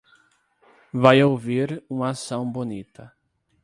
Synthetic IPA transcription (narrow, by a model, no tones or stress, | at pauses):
vajowviɾũmasɐ̃w̃bonit̪ɐ